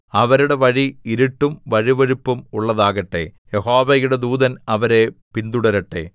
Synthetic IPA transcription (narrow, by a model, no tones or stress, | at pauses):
ɐʋɐɾuɽe̞ʋɐɻiiɾiʈːumʋɐɻiʋɐɻipːumuɭːɐðaːɣɐʈːe̞̰jeho̞ːʋɐjuɽed̪uːðɐnɐʋɐɾe̞pind̪uɽɐɾɐʈːe̞̰